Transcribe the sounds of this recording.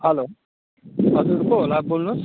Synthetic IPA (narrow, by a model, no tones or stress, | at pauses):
hʌlo | ɦʌzuɾkoɦolabolnus